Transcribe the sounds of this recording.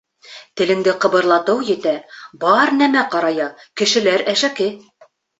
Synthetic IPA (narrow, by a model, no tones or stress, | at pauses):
t̪ɘ̆lɘ̆ŋd̪ɘqɤ̆βɤ̆ɾlˠɑt̪ɤwjɘ̆t̪æbɑɾnæmæqɑɾɑjɑkɘ̆ʃɘ̆læɾæʃækɘ